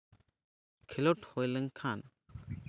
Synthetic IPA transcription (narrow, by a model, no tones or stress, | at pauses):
kʰilɔʈhɔjləŋkʰan